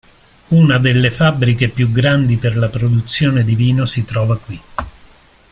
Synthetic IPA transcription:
unad̪elːefabːɾikepjuɡɾand̪iperlapɾod̪ut̪sːjoːned̪iviːnosit̪ɾɔːvakwi

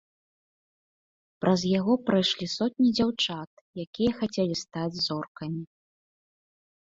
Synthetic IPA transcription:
pɾʔɐzjaɣɔpɾajʂlʲisɔt̪̚ʲnʲid͡zʲawt͡ʂat̪̚ | jakʲijɐxat͡sʲɛlʲist̪ad͡zʲzɔrkɐmʲi

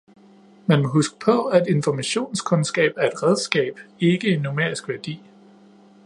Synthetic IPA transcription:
mænmɒ̽ɦusɡ̥ə̥pʰɒ̽æd̥e̝nfɒmæɕo̝̰ːnskʰɔ̽nsɡ̥ɛ̰ːb̥æɐe̝d̥ʁæð̞ˠsɡ̥ɛ̰ːb̥e̝ɡ̥əe̝nːomeɐ̰isɡ̥ʋæɐd̥ḭː

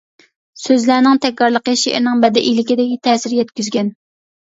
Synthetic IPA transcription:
søzlænɪŋt̪ʰɛkʲːɑɾlˠəqəʃeʔɾnɪŋbɛd̪ɪʔilɪkʲɪd̪ɪkʲit̪ʰɛːsɪɾjɛt̪kʲyzɡʲɛn

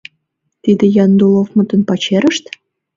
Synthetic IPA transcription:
t̪id̪ĕjɑnd̪ulˠofmə̆t̪ə̆npɑt͡ɕeɾəʃt̪

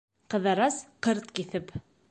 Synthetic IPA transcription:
qɤ̆ðɑɾɑsqɤɾt̪kiθɘp

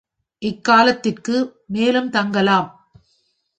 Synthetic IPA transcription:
ʔɪkːaːlɐt̪ːɪrkɯmeːlɯmt̪ɐŋɡɐlaːm

